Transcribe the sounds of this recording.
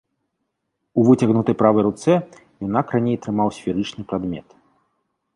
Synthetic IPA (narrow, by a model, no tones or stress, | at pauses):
uvɨt͡sʲɐɣnut̪ɐjpɾavɐjɾut̪sɛ | jɔnakranʲejt̪ɾɨmawsʲfʲiɾɨt͡ʂnɨpɾad̪mʲɛ̰t̪